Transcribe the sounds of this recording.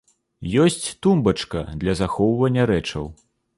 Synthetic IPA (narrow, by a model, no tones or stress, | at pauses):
jɔsʲt͡sʲt̪umbɐt͡ʂkɐd̪lʲɐzaxɔwvɐnʲːɐɾɛt͡ʂɐ̰w